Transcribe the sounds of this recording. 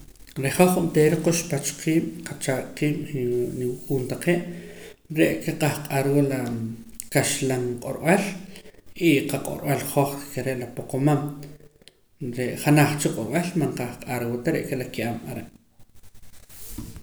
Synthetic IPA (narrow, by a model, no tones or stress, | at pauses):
ɾeχoχumt̪eːɾeqoʃpat͡ʃqiːɓ̥qat͡ʃaʔqiːɓiniwukʼuːnt̪aqeʔ | ɾeʔkeqahqʼaɾwolakaʃlaŋqʼoɾɓal | iqaqʼo̰ɾɓalχoχkeɾeʔlapoqomam | ɾeʔχanaχt͡ʃiqʼoɾɓalmaɴqaχqʼaɾwot̪aɾeʔkelakiʔamaɾeʔ